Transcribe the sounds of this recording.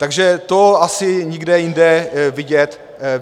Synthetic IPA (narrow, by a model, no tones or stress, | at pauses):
t̪aɡʒɛt̪oasɪɲɪɡdɛjɪndɛvɪɟɛt̪